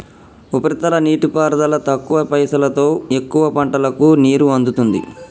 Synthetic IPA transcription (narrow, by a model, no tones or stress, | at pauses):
upɐɾit̪ɐlɐniːʈipaːɾd̪ɐlɐt̪ɐkːuʋɐpɐjsɐlɐt̪o̞ːe̞kːuʋɐpɐɳʈɐlɐkuniːɾuɐnd̪ut̪und̪ḭ